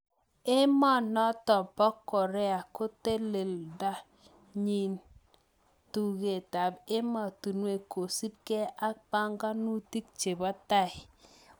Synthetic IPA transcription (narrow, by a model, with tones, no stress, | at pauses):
e˦mɔ˦˨nɔ˦tɔ˨pɔ˦kːɔ˨ɾɛ˦a˨ko˦te˦le˨lda˦ | ɲi˨n | tu˨ɣe˨ta˨be˦ma˨tu˨nwe˦˨ko˨si˦p̚ke˦a˦pa˦ŋɡa˦nu˦ti˦k̚t͡ʃe˨ba˦ta˦˨ɪ˨